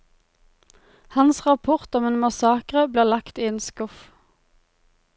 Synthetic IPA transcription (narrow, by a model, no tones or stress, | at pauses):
hɑnsʁɑpʰʊʁt̪ɔmeːnmɑsɑːkʁəbliːʁlɑkt̪iːeːnskʊf